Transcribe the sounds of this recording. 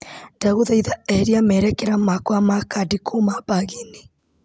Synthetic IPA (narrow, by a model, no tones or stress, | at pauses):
daɣuðaiðaɛɾiamɛɾɛkɛɾamakwamakadikʰomabaɣini